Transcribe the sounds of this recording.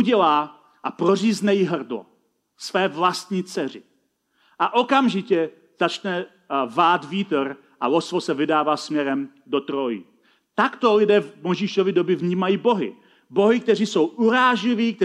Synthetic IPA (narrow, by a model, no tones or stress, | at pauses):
uɟɛlaː | ʔapɾo̞riːznɛjɪɦr̩dlo̰ | svɛːvlast̪ɲiːt͡sɛr̝ɪ | ʔaʔo̞kamʒɪcɛ | z̥at͡ʃnɛ | vaːd̪viːt̪ɾ | ʔa̰losvosɛvɪdaːvaːsmɲɛɾɛm | do̞t̪ɾojḭ | t̪akt̪olɪdɛːvmojʒiːʃovɪdo̞bɪvɲiːmajiːbo̞ɦɪ̰ | bo̞ɦɪk̚t̪ɛr̝iːso̞wʔuɾaːʒlɪviːk̚t̪